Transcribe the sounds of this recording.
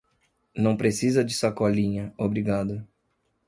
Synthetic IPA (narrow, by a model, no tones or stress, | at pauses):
nɐ̃w̃pɾesizɐd͡ʒɪsakɔlĩɲɐobɾiɡad̪ʊ